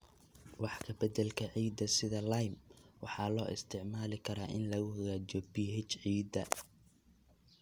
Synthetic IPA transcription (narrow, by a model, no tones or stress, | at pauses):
wɑħkʰɐbɐd̪ɐlkʰɐʕiːd̪ːɐsɪðɐlɐjmwɑħɑːlɔːʔɪ̰st̪ʰɪʕmaːlɪkʰɐɾaːʔɪnlɐɣʊhɔɣaːt͡ʃɔbiɦɛt͡ʃʕiːd̪ɐ